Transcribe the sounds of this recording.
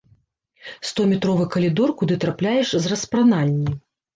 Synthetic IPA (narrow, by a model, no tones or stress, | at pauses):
st̪ɔmʲɛt̪ɾɔvɨkɐlʲid̪ɔrkud̪ɨt̪ɾaplʲajɛʂzrɐspɾanalʲnʲi